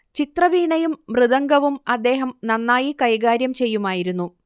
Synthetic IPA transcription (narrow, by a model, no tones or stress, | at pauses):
t͡ɕit̪rɐʋiːɳɐjumːrɨðɐŋɡɐʋumɐd̪ːe̞ːɦɐmnɐnːaːjikɐjɡaːɾjɐmt͡ɕe̞jːumaːjiɾunːu